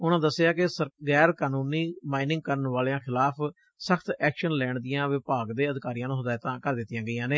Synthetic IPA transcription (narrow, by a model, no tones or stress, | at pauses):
ʊnãːd̪əsːeaːkɪsəɡɛːɾkaːnuːniːmaːinɪ̃ŋɡ̚kəɾənʋaːleãːkʰɪlaːpʰ | səkʰt̪ɛːkʃənlɛːɳd̪ɪjãːʋɪpaːɡd̪eːəd̪ɪkaːɾijãːnũːsəd̪aːjt̪ãːkəɾd̪ɪt̪ːijãːɡəijãːneː